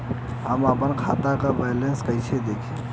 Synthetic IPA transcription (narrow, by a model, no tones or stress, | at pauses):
ɦəməpənkʰaːt̪akabɛːjlenskəɪsʰed̪eːkʰe